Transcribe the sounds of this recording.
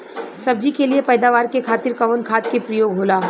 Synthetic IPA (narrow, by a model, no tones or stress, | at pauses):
sɐb̚d͡ʒikeliepɛːd̪aːʋaːɾkekʰaːt̪ɪɾkɐʋənkʰaːt̪̚kepɾəjoːɡɦoːlaː